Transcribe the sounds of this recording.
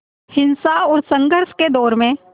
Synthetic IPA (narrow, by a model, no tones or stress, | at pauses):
hɪnsaɔːɾsə̃ŋɡəɾsked̪ɔːɾmẽ